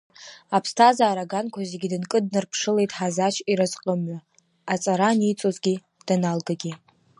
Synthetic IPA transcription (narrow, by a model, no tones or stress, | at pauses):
apʰstʰazaːɾaɡankʷʰazeɡʲidɨnkʼɨd̚nɨrpʰʂɨle̞jtʼħazat͡ʃʰiɾɨzqʼəmɥa | at͡sʼaɾanit͡sʼozɡʲi | d̥analɡaɡʲi